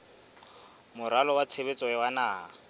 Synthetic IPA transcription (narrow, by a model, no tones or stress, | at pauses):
mʊɾalɔwat͡sʰeβet͡sʼɔɛwanaː